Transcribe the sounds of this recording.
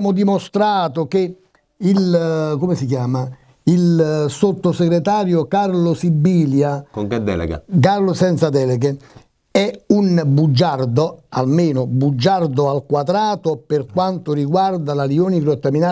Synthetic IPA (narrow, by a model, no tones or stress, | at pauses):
mʊd̪imost̪ɾaːt̪oke | ilkomɪsikjaːma | ilsot̪ːoseɡɾet̪aːɾjokaɾlosibːiːljakoŋked̪ɛ̰lɛ̰ɡa̰karlosɛnt̪sad̪ɛleɡe | ɛunbud͡ʒːard̪oalmeːnʊbud͡ʒːard̪oalkwad̪ɾaːt̪operkwant̪oriɡward̪alalioːniɡɾot̪ːaminaː